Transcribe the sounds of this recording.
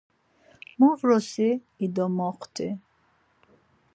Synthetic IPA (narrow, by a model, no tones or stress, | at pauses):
muvɾɔsi | id̪ɔmɔqʰt̪ʰi